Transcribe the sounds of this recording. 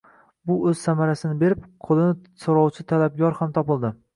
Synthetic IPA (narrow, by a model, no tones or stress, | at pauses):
bʊɵz̥samaɾasɪnɪbe̞ɾɪpqʰolˠɪnɪ | soɾɒwt͡ʃʰɪt̪ʰalab̚ɡʲɒɾhamt̪ʰɒpɪlˠd̪ɪ